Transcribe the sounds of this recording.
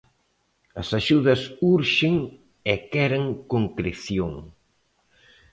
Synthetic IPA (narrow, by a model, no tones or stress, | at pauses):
ɐsaʃuðɐsuɾʃeŋ | ekɛɾɐŋkoŋkɾeθjoŋ